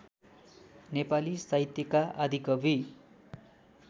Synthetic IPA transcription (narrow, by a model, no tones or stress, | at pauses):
nepalisaɦit̪jʌkaʔad̪ʱikʌbʱi